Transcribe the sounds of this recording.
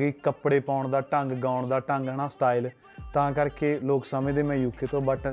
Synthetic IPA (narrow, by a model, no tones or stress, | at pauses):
ɡiːkəpɽeːpaːʊɳd̪aːʈəŋɡɡaːʊɳd̪aːʈəŋɡəɳaːsʈaːil | t̪ãːkəɾkeːloːksəmẽːd̪eːmɛ̃ːjuːkʰːeːt̪õːbəʈʰ